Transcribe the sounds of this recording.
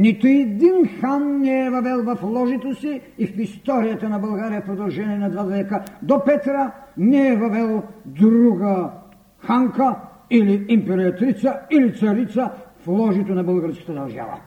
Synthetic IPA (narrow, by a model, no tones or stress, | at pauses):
nit̪ʊɛd̪inxanːɛɛvɐvɛlˠvɐflˠɔʒit̪osiːfist̪ɔɾijɐt̪ənɐbɐlˠɡaɾijɐpɾod̪ɐlˠʒɛniɛnad̪vad̪vɛkəd̪ɔpɛt̪ɾənɛɛvɐvɛlˠd̪ɾuɡə | xaŋkɐ | iliimpɛɾiɐt̪ɾit̪sɐilit̪sɐɾit̪səflˠɔʒit̪onɐbəlˠɡəɾskɐ̥t̪ɐd̪ɐɾʒa̰vɐ̰